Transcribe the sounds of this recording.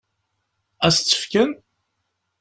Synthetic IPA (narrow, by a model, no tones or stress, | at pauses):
æst͡sːə̥fkən